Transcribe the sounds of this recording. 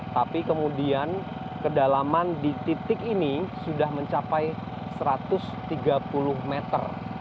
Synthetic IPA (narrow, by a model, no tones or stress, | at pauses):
t̪apikəmudian | kədalamandit̪it̪ɪkinisudahməɲt͡ʃapaj | səɾat̪ʊst̪iɡapulʊhmet̪ə̰r